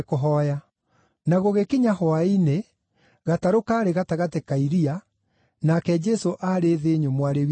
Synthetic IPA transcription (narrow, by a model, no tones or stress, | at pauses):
koɦɔja | naɣoɣekiɲahwaine | ɣataɾokaɾeɣataɣatekaiɾia | nakɛd͡ʒɛsoʔaɾeðeɲomwaɾe